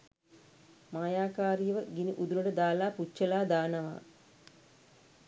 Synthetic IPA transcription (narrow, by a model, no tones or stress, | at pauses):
maːjaːkaːɾijəʋəɡiniʔud̪unəʈəd̪aːlaːput͡ʃːəlaːd̪aːnəʋa̰ː